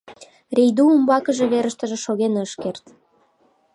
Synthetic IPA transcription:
rejd̪uumbɑkəʒeβeɾəʃt̪ə̆ʒĕʃoɣenəʃkert̪

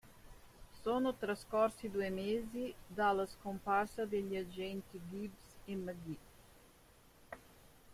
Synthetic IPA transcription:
sonʊt̪ɾaskɔɾsid̪uemeːzid̪alaskomparsɐd̪eʎiad͡ʒɛnt̪iɡibseməɡi

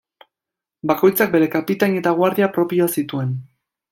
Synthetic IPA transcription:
bako̞jt͡sak̚be̞ɾe̞kapit̪aɲe̞t̪aɣwaɾðiapɾo̞pioasit̪ue̞n

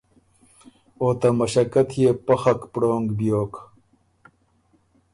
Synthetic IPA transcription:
oːt̪amɐɕɐkɐt̪ʰjepɐxɐkpɽoːŋɡbjoːk

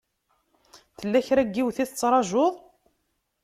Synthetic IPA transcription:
θəlːæçɾæɡːiwθiθət͡sːɾˤɑʒoðˤ

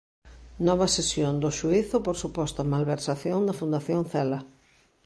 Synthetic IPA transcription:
nɔβɐsesjond̪ʊʃuiθʊpoɾsupɔst̪ɐmalβeɾsaθjond̪ɐfund̪aθjoŋθɛlɐ

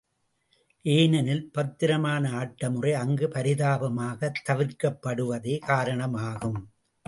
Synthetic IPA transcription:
ʔeːnɐnɪlpɐt̪ːɪɾɐmaːnɐaːʈːɐmɯrɐɪɐŋɡɯpɐɾɪðaːbɐmaːɣɐt̪ːɐʋɪɾkɐpːɐɽɯʋɐðeːkaːɾɐɳɐmaːɣɯm

